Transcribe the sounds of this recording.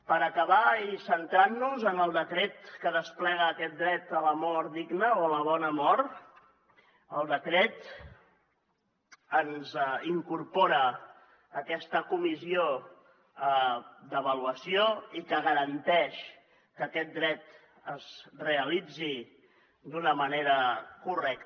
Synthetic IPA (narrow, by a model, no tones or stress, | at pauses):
pəɾəkəβaisənt̪ɾanːuzənəlˠd̪əkɾɛt̪kəðəsplɛɣ̞əːkɛt̪̚d̪ɾɛt̪ələmɔɾd̪iɡnəoələβ̞ɔnəmɔɾt̪ | əlˠd̪əkɾɛt̪ | ənziŋkurpoɾə | əkɛst̪əkumizio | əd̪əβəluəsioikəɣəɾənt̪ɛʃ | kəkɛt̪̚d̪ɾɛt̪ | əzreəlid͡zi | d̪unəməneɾəkurɛk̚t̪